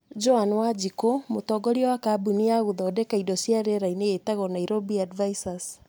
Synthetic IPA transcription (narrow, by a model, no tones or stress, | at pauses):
d͡ʒɔanwad͡ʒikomotɔɡɔɾiɔwakabuniaɣuðɔːdɛkaidɔsjaɾeɾaineetaɣɔnaiɾobiadvaisas